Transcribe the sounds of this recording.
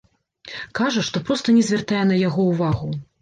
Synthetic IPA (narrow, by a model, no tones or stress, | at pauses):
kaʐɐʂt̪ɔpɾɔst̪ɐnʲɛzʲvʲɛrt̪ajɛnɐjaɣɔwvaɣu